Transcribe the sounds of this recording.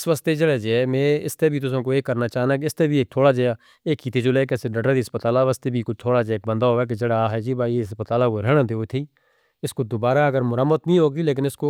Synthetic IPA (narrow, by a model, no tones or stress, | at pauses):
ɪsʋəst̪ed͡ʒeɽeːd͡ʒeːmẽːɪst̪eːbʱiːt̪ʊsãːkoːeːkːəɾnaːt͡ʃaːnaːk̬ɪst̪eːbieːk̚t̪ʰoːɽaːd͡ʒeːaː | eːkːiːt̪eːd͡ʒoleːk̬ːseɖəɖəd̪iːspət̪aːlaːʋəst̪eːbʱiːkʊt̪ʰoːɽaːd͡ʒeeːk̚bə̃nd̪aːɦoːɛːk̬ed͡ʒeːɽaɦɛːd͡ʒiːbaːieəspət̪aːlaːkoɾɛːɽ̃ãːd̪eːoːt̪ʰiː | ɪskod̪obaːɾaːəɡəɾmʊɾəmət̪bĩːɦoːɡiːleːk̬ɪnɪskoː